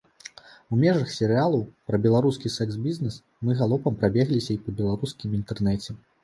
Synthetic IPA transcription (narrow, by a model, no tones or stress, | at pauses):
umʲɛʐɐxsʲɛɾɨalˠɐwpɾɐbʲɛlˠaɾuskʲisɛksbʲiznɛs | mɨɣalˠɔpɐmpɾabʲɛɣlʲisʲɐipɐbʲɛlˠaɾuskʲimint̪ɛrnɛt͡sʲɛ